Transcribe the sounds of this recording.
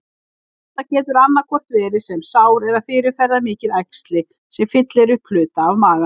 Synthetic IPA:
θ | ɛht̪ːacɛːt̪ʏɾanːaɾkʰɔr̥t̪vɛːɾɪsɛmsaːwɾɛðafɪːɾɪɾ̥fɛɾðamɪːcɪðajkst̪lɪ | sɛmfɪt̪lɪɛɾʏhplʏːt̪aːvmaːɣa

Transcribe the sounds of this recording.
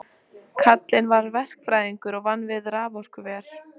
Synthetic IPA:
kʰat̪lɪnvaɾvɛr̥kfɾaːjðiŋkʏɾɔɣvanːvɪðɾaːvɔr̥kʏvɛːɾ̥

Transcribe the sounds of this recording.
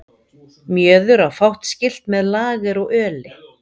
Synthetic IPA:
mjœːðʏɾawfawht̪scɪl̥t̪mɛðlaːɣɪɾɔɣœːlɪ

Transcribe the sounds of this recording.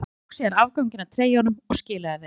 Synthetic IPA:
ksɛðaɾaːvkawɲcɪnat̪ʰɾeːjanʏmɔɣscɪːlaaθe

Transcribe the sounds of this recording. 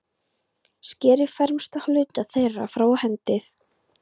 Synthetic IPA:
scɛːɾɪfɛɾmst̪ahlʏːt̪aθejrafɾawahɛnt̪ɪθ

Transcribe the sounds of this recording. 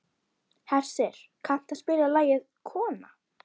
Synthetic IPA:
hɛr̥sɪɾ̥kʰah̪t̪aspɪːɾalaːjɪðkʰɔːna̰

